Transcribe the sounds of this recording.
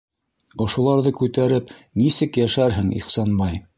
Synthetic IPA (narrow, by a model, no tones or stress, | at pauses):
ŏʃŏlˠɑɾðɤkʉt̪æɾɘpnisɘkjæʃæɾɦɘŋḭχsɑnmɑj